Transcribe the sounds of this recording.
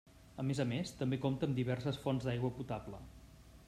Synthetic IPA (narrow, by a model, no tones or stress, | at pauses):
əmezəmest̪əmbekomt̪əːmd̪iβ̞ɛrsəsfɔnzd̪ajɣwəput̪ablə